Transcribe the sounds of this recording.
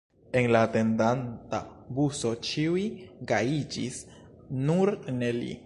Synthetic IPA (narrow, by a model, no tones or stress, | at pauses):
e̞nlaːte̞ndantabuso̞t͡ʃiwiɡaid͡ʒḭs | nuɾne̞lḭ